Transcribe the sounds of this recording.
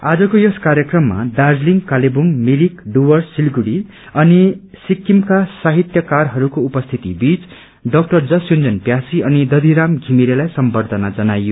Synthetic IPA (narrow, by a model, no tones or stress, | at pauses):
ad͡zʌkojʌskaɾjʌkrʌmːa̰dard͡zliŋkalebumːiɾikɖuwʌrsilɡuɽi | ʌnisikːimkasaɦit̪jʌkarɦʌɾukoupʌst̪ʰit̪ibit͡s | ɖʌk̚ʈʌrd͡zʌsjond͡zʌnpjasiʌnid̪ʌd̪ʱiɾamɡʱimiɾelajsʌmbʌrd̪ʱʌnad͡zʌnajo